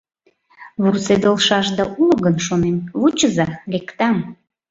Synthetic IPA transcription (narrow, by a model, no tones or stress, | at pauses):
βursed̪olʃɑʒd̪ɑʔulɣənʃonemβut͡ɕəzɑlʲekt̪ɑm